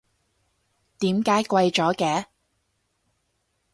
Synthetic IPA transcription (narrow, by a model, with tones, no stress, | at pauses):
t̪iː˨˥mkaː˨˥jkʷwɐ˧jt͡ʃɔː˨˥kɛː˨˥